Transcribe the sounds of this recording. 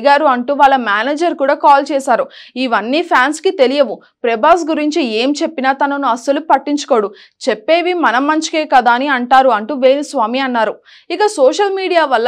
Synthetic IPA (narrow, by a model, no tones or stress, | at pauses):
ɡaːɾuɐɳʈuːʋaːɭːɐmaːneːd͡ʒɐɾkuːɽaːkaːlt͡ʃɛːsaːɾuiʋɐnːiːpʰjaːnskit̪elijɐʋu | pɾɛbaːs̬ɡuɾiɲt͡ʃie̞ːmt͡ʃe̞pːinaːt̪ɐnɐnuɐsɐlupɐʈːiɲt͡ʃu̥koːɽu | t͡ʃepːe̞ːʋimɐnɐmːɐɲt͡ʃi̥keːkɐd̪aːniɐɳʈaːɾuɐɳʈuːʋe̞ːnisʋaːmiɐnːaːɾu | ikɐsoːʃɐlmiːɽijaːʋɐlː